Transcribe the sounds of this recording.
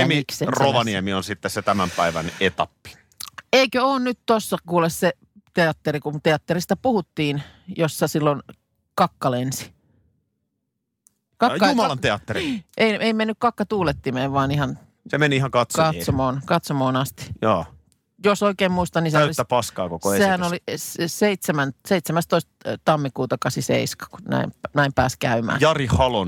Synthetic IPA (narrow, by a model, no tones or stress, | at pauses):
emiikseroʋɑniemionsit̪ːesset̪æmæmpæiʋæ̰net̪ɑpːi̥ | eikøoːnnyt̪t̪osːɑkuːlesse | t̪eɑt̪ːeɾikunt̪eɑt̪ːeɾist̪æpuhut̪ːiːn | josːɑsilːon | kɑkːɑlensi̥ | kɑjːɑumɑlɑnt̪eɑt̪ːeɾiʔeieimenːykkɑkːɑt̪uːlet̪ːimeːʋʋɑːnihɑn | semenihɑŋkɑt̪sɑt̪ːsomoːnkɑt̪somoːnɑst̪i̥jɑ̰ː | josoikeːmmuist̪ɑniseælist̪ːæpɑskɑ̰ːkokoesehænolisseit̪semænseit̪semæst̪oist̪t̪ɑmːikuːt̪ɑkɑsisḛiskɑ̥ku̥næ̰imnæimpæːskæymæ̰ːjɑrihɑlo̰n